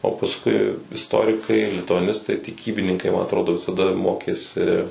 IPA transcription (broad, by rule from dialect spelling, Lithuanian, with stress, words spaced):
oː pɐsˈkʊɪ ɪsˈtoːrʲɪkɐɪ lʲɪtʊɐˈnʲɪstɐɪ tʲɪˈkʲiːbʲɪnʲɪŋkɐɪ mɐn ɐtˈroːdoː ʋʲɪsɐˈdɐ ˈmoːkʲeːsʲɪ